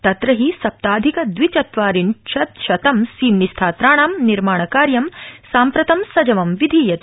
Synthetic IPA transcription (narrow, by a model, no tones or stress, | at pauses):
t̪ɐt̪ɾɐɦisɐp̚t̪aːd̪ʱikɐd̪ʋit͡ʃɐt̪ʋaːɾiɳʃɐt̪ʃɐt̪ɐmsiːmnist̪ʰaːt̪ɾaːɳaːmniɾmaːɳɐkaːɾjɐmsaːmpɾɐt̪ɐmsɐd͡ʒɐʋɐmʋid̪ʱijɐt̪